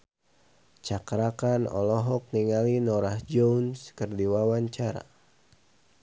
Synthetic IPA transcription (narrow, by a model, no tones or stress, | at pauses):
t͡ʃakɾakanɔ̰lɔɦɔk̚niŋalinɔɾahd͡ʒɔunskɨrdiwawaɲt͡ʃaɾa̰